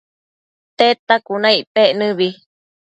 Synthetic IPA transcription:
t̪et̪akunãiʔpeʔnɨ̃βi

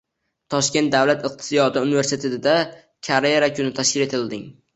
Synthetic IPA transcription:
t̪ʰɒʃkʲe̞nt̪̚d̪awlat̪ɨq̚t̪ʰɪ̥sijɒd̪ɪunɪve̞ɾset̪ʰet̪ɪd̪a | kʲʰaɾeɾakʰʲʊnɪt̪ʰaʃkʲɪle̞t̪ʰɪld̪ɪŋ

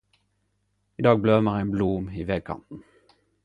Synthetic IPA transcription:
id̪ɑːɡ̚bløːməʁæɪnblumiːʋeːɡ̚kʰɑ̰nt̪n̩

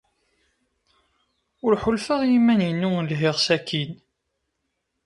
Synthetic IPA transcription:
ʊɾħʊlfəʁjimænjinːʊŋlɦɪʁsækin

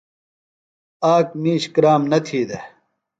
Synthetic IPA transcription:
aːk̚miːɕkɾaːmnɐt̪ʰiːd̪e

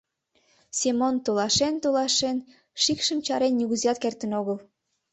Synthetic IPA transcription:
semont̪olɑʃent̪olɑʃen | ʃikʃəmt͡ɕɑɾenːʲuɣuziɑt̪̚kert̪ə̆noɣəl

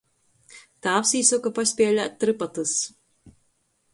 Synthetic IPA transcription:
t̪aːpsiːsukapasʲpʲiɛlʲat̪̚t̪ːɾɨpat̪ɨs

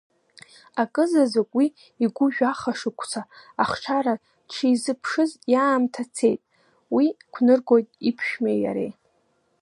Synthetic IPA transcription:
akʼɨzazakʷʼwi | iɡʷʊʒᶣaχaʂɨkʷʰt͡sʰaːχʈ͡ʂʰaɾa | ʈ͡ʂʰiizɨpʰʂɨzjaːmtʰat͡sʰe̞jtʼ | wikʷʰnɨrɡo̞jtʼipʰʃᶣmeja̰ɾḛj

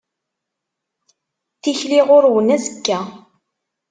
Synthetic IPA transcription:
θiçliʁʊɾwənæzəkːæ

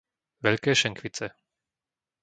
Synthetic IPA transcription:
ʋɛʎkɛːʃɛŋkʋit͡sɛ

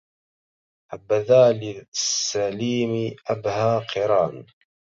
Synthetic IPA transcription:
ħabːaðaːlɪsːaliːmiʔabhaːqʰɨɾˤɑːn

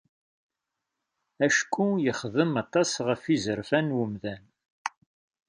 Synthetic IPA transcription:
æʃkːujəχðəmɑt̪ˤɑsʁəfizəɾfænwəmðæn

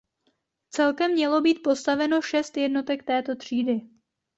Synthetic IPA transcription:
t͡sɛlkɛmːɲɛlo̞biːt̪̚po̞st̪avɛno̞ʃɛst̪jɛdno̞t̪ɛk̚t̪ɛːt̪o̞t̪r̝̥iːdɪ

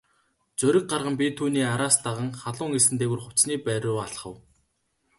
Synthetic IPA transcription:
t͡sɵɾʲɪ̆k̚ɢarʁə̆mpʲit̪ʰuːniːaɾaːst̪aʁə̆ŋχaɮʊːŋesɘ̆nt̪eːɣŭrχʊ̥t͡sniːpæɾʲʊːaɮχə̆w

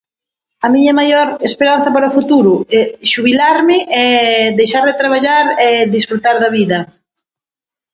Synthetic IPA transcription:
ɐmiɲɐmajɔɾespeɾan̟θɐpaɾaofut̪uɾʊɛʃuβilaɾmɪʔɛd̪ejʃaɾðɪt̪ɾaβ̞aʎaɾɛd̪isfɾut̪aɾðɐβiðɐ

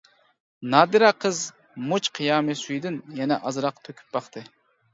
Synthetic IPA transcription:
nɑːd̪ɨɾɑqʰəz | mut͡ʃqʰijɑːmɨsyjd̪ɪnjɛnɛʔɑzɾɑqt̪ʰøkʲʰy̥p̚b̥ɑχt̪ʰɨ

